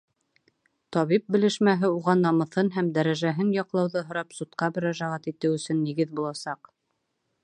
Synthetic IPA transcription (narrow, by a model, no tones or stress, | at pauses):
t̪ɒβip̚bɘ̆lɘ̆ʃmæɦɘuʁɑnːɑmɤ̆θɤnɦæmd̪æɾæʒæɦɘnjɑqlˠɑwðɤɦŏɾɑpsut̪qɑmɘ̆ɾæʒæʁæt̪it̪ɘwɵ̆sɵnːiɡɘðbulˠɑsɑq